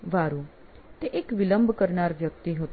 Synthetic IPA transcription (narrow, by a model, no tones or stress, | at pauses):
ʋaɾũt̪eʔekʋɪləmbʱkəɾnaɾʋjək̚t̪iɦot̪